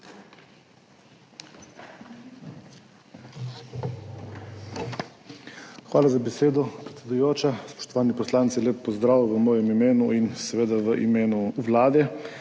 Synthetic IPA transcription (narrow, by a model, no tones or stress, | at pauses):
xʋaːlazabɛseːd̪ɔpɾɛt̪sʲɛd̪ujoːt͡ʃaspɔ̥ʃt̪ɔʋaːnipɔslaːnt̪silʲeːpːɔzd̪ɾaːʋuʋəmɔːjɛmimeːnuinsɛʋeːd̪aʋəʔḭmeːnuʋlaːd̪ɛ